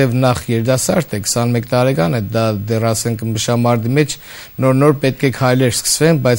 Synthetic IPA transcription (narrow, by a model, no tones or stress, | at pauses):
ɛvnɑχjɛɾd̪ɑsɑ̰ɾt̪ʰɛkə̥sɑnmɛkt̪ɑɾɛkɑnɛd̪ɑd̪ɛrɑsɛŋkʰməʃɑmɑɾd̪imɛt͡ʃʰ | nɔɾnɔɾpɛt̪̚kʰɛkʰɑjlɛɾskʰə̥svɛnbɑjt͡s